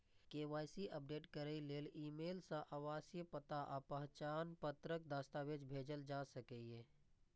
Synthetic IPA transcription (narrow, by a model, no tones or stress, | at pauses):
keːʋaːjsiʔəp̚ɖeːʈkəɾəileːliːmeːlsãʔaʋaːsjəpət̪aʔapəɦt͡ʃaːnpət̪ɾək̚d̪aːst̪aʋed͡ʒbʱeːd͡ʒəld͡ʒaːsəkɛeː